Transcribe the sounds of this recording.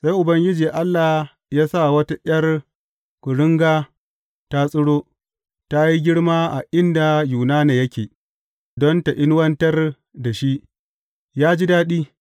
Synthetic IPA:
sa˦jʔʊ˨bɐ˦ŋɡʲɪ˦d͡ʒiː˨ʔa˦lːaː˨ | jaː˦sa˦˨wɐ˦ta˦ʔj̰ɐ˦r | kʷʊ˨ɽʊ˦ŋɡaː˦ | ta˦sʼʊ˦ɽoː˦ | ta˦ji˦ɡʲɪ˦ɽmaː˦ʔa˨ʔɪ˦nda˨juː˨naː˦neː˨jɐ˦kʲeː˨ | dɔ˦nta˨ʔɪ˦n˦wɐ˦ntɐ˦r | da˨ʃi˦ʔ | jaː˦d͡ʒi˦daː˦ɗiː˦

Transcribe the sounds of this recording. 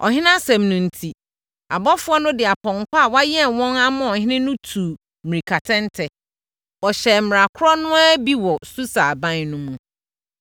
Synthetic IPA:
ʔɔ̰˨ɦɪ̃˦nã˦sɛ̃˨mnũ˨n̩˨tʰi˨ | a˨bɔ˦fʊ˦ɔ˦nʊ̃˦dɪ˨a˨pʰɔ̃˨ŋ˨kʰʷa˦a˨wa˦jɛ˦˨wɔ̃˦na˦mʊ̃˦ɔ˨hɪ̃˦nɪ̃˦nʊ̃˦tʰu˨ | mɪ̃˨ɾi˨kʰa˨tʰɛ̃˦n˦tʰɛ˨ | ɔ˨ɕɛ˨m̩˨ɾa˨kʰʊ˦ɾɔ˦nʊ̃˦a˦bi˦wɔ˨su˦sa˨bã˦n˨nʊ̃˦mũ˨

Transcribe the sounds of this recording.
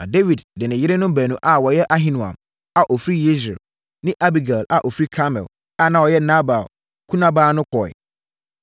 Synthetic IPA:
nã̰˨de˦vi˨ddɪ˨nɪ̃˨jɪ˦ɾɪ˦nʊ̃˦m˦bæː˨nũ˨ʔa˨wɔ˨jɛ˦ʔa˦ɦĩ˦nũ˨ã̰˨m | a˨ʔɔ˨fɾi˦je˦sɾɛ̰˨l | nɪ̃˦ʔa˦bi˨ɡa˨la˨ʔɔ˨fɾi˦kʰa˦mɛ̰˨l | a˦nã˨wɔ˨jɛ˦nã˦ba˨l | kʰu˦nã˦baː˦nʊ̃˦kʰɔ˨ɛ̰˨

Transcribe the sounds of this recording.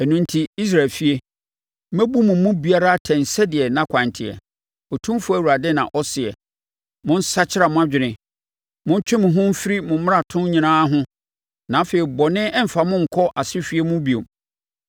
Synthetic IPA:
ɛ˨nũ˦n̩˦tʰi˦i˦s̬ɾa˨lfi˦e˦ | mæ˦bu˦mʊ̃˨˦mʊ̃˦bi˨a˦ɾa˦tʰɛ̃˨n̩˨sɛ˦dɪ˨ɛ˨nã˦kʷʰã˨ntʰɪ˨ɛ̰˨ | ɔ˨tʰũ˦m˦fʊ˦æ˨wu˨ɾa˨dɪ˦nã̰˨ʔɔ˦sɪ˨ɛ̰˨ | mʊ̃˦n̩˦sa˦t͡ɕʰɪ˦a˨mʊ̃˦a˦˨d͡ʑᶣɪ˨nɪ̃˨ | mʊ̃˦n˦t͡ɕᶣɪ˦mʊ̃˨ɦʊ̃˦m̩˦fɪ˦ɾi˦mʊ̃˨m˦a˨tʰʊ̃˦n˦ɲĩ˨nãː˦ɦʊ̃˦ | nã˨˦feː˨ɾi˨bɔ˨nɪ̃˦ɛ˦m̩˨fa˨mʊ̃˦ŋ̩˨kʰɔ˦ʔa˨sɪ˦fi˦e˦mʊ̃˦bi˨o˨m

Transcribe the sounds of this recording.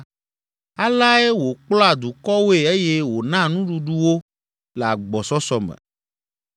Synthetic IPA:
a˦la˦e˦wo˨k͡plɔ˦a˨d̪u˨kɔ˦wo˦e˨e˦je˦wo˨nã˦nũ˦ɖu˨ɖu˦wo˦ | lɛ˨a˨ɡ͡bɔ˨sɔ˦sɔ˦mɛ̰̃˨

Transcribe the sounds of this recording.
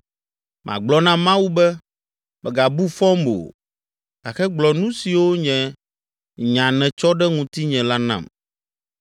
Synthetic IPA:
mʔã̰˨ɡ͡blɔ˨nã˦mã˦wu˦bɛ˦ | mɛ˨ɡa˨bu˦fɔ˦mo̰˨ | ɡa˨xɛ˦ɡ͡blɔ˨nũ˦si˨wo˦ɲɛ̃˨ | ɲã˨nɛ̃˨t͡ʃɔ˦ɖɛ˦ŋũ˨t̪i˦ɲɛ̃˨la˦nã̰˦˨m

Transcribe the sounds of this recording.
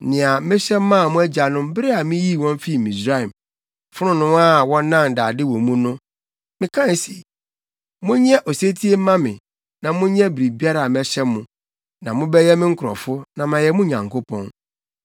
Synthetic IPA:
nɪ̃˨a˨mɪ̃˦ɕᶣɛ˦mː˦ã˦˨mʊ̃˦æ˦d͡ʑa˨nʊ̃˦m˦bɪ˦ɾɪ˦a˨mɪ̃˦ji˦˨wɔ̃˦m˦fi˦˨mĩ˨sɾa˦ɛ˨m | fʊ˦ɾʊ̃˦nʊ̃˦ma˦wɔ̃˦n˦nːã˦˨ndaː˨dɪ˦wɔ̃˨mũ˦nʊ̃˦ | mɪ̃˨˦kʰã˦n˨si˨ | mʊ̃˦ɲɛ˦ʔo˨se˦tʰi˦e˦mã˦mɪ̃˨ | nã˨mʊ̃˦ɲɛ̃˦bi˨ɾi˨bi˦a˦ɾa˨a˨m˦ɛ˦ɕɛ˦mːʊ̃˨ | nã˨mʊ̃˦bɛ˦jɛ˦mɪ̃˦ŋ̩˦kʰʊ˨ɾɔ̰˨fʊ˦nã˨mã˨jɛ˦mʊ̃˦ɲã̰˨ŋkʰo˦pʰɔ̰̃˦n

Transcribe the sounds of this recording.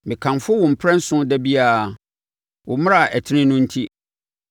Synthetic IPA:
mɪ̃˨kʰã˨mfʊ˦wʊ̃˨m̩˨pʰɾɛ̃˦n̩˦sʊ̃˦dɛ˦bi˦a˨ | wʊ˨mʊ̃˦ɾa˨ɛ˨tʰɪ˦nɪ̃˦nʊ̃˦n̩˦tʰi˦

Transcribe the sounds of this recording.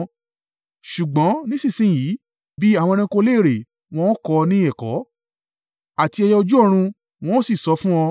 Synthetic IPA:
ʃu˨ɡ͡bɔ̃˨˦nĩ˦sĩ˦˨sĩ˦˨ji˨˦ | bi˦a˦˨w̃ɔ̃˧ñĩ˧ko˧˦le˦˨ɾe˨ | w̃ɔ̃˦kɔ˧nĩ˦ɛ˦˨kɔ̰˨˦ | a˨ti˧ɛ˧jɛ˧ɔ˧d͡ʒu˦ɔ˦˧ɾ̃ũ˧ | w̃ɔ̃˦si˦˨sɔ˨˦fũ˦ɔ˧

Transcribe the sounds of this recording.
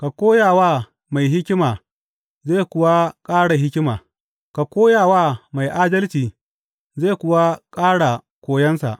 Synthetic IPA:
ka˨kʷoː˦jaː˨waː˦ | ma˨jɦɪ˦kʲɪ˦maː˨ | zeː˦˨kʷʊ˨wa˦kʼaː˦ɽa˨ɦɪ˦kʲɪ˦maː˨ | ka˨kʷoː˦jaː˨waː˦ma˨jʔaː˦dɐ˦lt͡ʃiː˨ | zeː˦˨kʷʊ˨wa˦kʼaː˦ɽa˨ | kʷoː˨jɐ˦nsa̰˨ʔ

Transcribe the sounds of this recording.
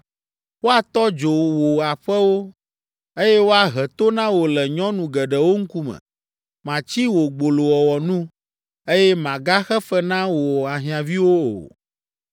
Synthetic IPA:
wo˦a˨t̪ɔ˦d͡ʒo˨wo˨a˨ɸɛ˦wo˦ | e˦jɛ˦wo˦a˨ɦɛ˨t̪o˦nã˦wo˨lɛ˨ɲɔ̃˦nũ˨ɡɛ˨ɖɛ˨wo˦ŋ̩˦ku˦mɛ̰̃˨ | mã˨t͡ɕi˦wo˨ɡ͡bo˨lo˨wɔ˨wɔ˨nũ˦ | e˦jɛ˦mã˨ɡa˦xɛ˦fɛ˦nã˦wo˨wɔ˨a˨ɦĩ˨ã˨vi˦wo˦o̰˨

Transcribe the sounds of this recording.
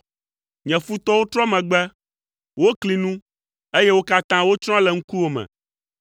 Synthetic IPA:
ɲɛ̃˨fu˦t̪ɔ˦wo˦t̪ɾɔ˦mɛ̃˨ɡ͡bɛ˦ | wo˦kli˨nũ˦ | e˦je˦wo˦ka˦t̪ã˦wo˦t͡ʃɾ̃ɔ̃˦lɛ˨ŋ̩˦ku˦wo˦mɛ̰̃˨

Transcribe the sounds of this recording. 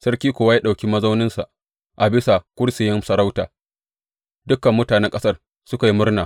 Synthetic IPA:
sɐ˦rkʲiː˦kʷːwa˦jaː˦ɗa˨wkʲi˦mɐ˦za˦wnɪ˦nsa̰˨ʔ | ʔa˨bɪ˦sa˨kʷʊ˦ɽsɪ˨jɪ˦msɐ˨ɾa˦wtaː˨ | dʊ˦kːɐ˨mːʊ˦taː˨nɛ˦ŋkʼɐ˦sɐ˦r | sʊ˦ka˨ji˦mʊ˦rnaː˨

